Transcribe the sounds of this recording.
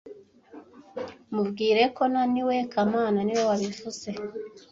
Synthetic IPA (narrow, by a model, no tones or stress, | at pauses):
muvɡiːɾe̞ko̞naniwe̞kamaːnaniwowaβifuze̞